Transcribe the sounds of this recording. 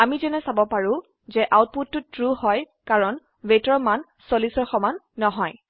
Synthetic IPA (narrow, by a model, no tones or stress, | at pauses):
amizɛnɛsabɔpaɹʊ̃ | zɛʔawt̚putːʊtɹuhɔj | kaɹɔn | wetɔɹman | solisɔɹxɔmanːɔɦɔj